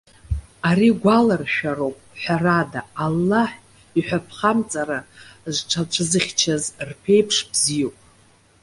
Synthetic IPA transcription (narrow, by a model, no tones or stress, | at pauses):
aɾiɡʷalarʃᶣaɾowpʼħʷᶣaradaːlːaħ | iħʷᶣapʰχamt͡sʼaɾazʈ͡ʂʰat͡ʃʷʰɨzɨχʲt͡ʃʰazrpʰe̞jpʰʂbzijowpʼ